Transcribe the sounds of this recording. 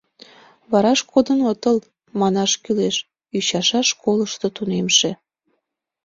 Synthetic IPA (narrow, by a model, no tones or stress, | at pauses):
βɑɾɑʃkʰod̪ənot̪əl | mɑnɑʃkyleʃ | yɕɑʃɑʃkoləʃt̪ot̪unemʃe